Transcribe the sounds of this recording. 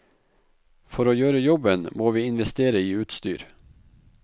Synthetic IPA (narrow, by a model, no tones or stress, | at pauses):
fɔɾoːjøːɾəjɔbənmoːʋiːɪnʋɛst̪eːɾəiːʉːt̪st̪y̰ːɾ